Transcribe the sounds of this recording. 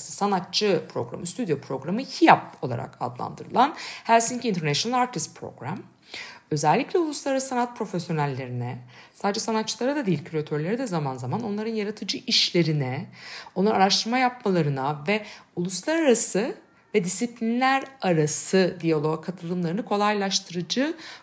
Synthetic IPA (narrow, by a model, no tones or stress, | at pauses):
sanat̪̚t͡ʃɯpʰɾo̞̰ɡɾa̰mɯst̪ʰyd̪jo̞pʰɾo̞ɡɾamɯçijap̚olˠa̰ɾa̰ka̰d̪lˠa̰nd̪ɯɾɯlˠanhæɾsincint̪ʰɛɾnæʃonalˠaɾt̪ʰist̪pʰɾo̞̰ɡɾa̰m | ø̞zɛlʲːiclʲɛulˠuslˠaɾaɾaɯsanat̪̚pʰɾo̞fesjo̞nælʲːe̞ɾinɛsaːd̪ed͡ʒɛsanatt͡ʃːɯlˠaɾad̪ad̪ejilʲcʰyɾʲot̪ʰøɾlʲeɾid̪ɛzamanzamano̞nlˠaɾɯnjaɾat̪ʰɯd͡ʒɯʔiʃlʲe̞ɾinɛo̞nlˠaɾanːaɾaʃt̪ʰɯɾmajapmalˠaɾɯnavɛulˠuslˠaɾaɾasɯ | vɛd̪isiplʲinlʲæɾaɾasɯd̪ijalˠoɡakʰat̪ʰɯlˠɯmlˠaɾɯnɯkʰo̞lˠajlˠaʃt̪ʰɯɾɯd͡ʒɯ